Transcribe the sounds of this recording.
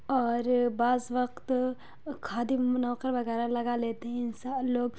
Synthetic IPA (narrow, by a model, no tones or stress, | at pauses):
ɔːɾbaːzʋəqt̪ | kʰaːd̪imɐnaːkəɾbɐɡɛːɾalɐɡaleːt̪eɦɛ̃ɪnsaloːɡ